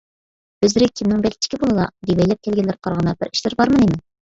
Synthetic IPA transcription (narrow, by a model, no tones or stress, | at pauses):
bøzɾɪkʲʰimnɪŋbɛlʲt͡ʃ̪ʰi̥kʲʰibolˠɨlˠɑ̰d̪ibɛjlɛp̚kʲʰɛlɡʲɪlɪɾqʰɑɾʁɑnɑbɪɾi̥ʃlɪɾbɑɾmɨninɪ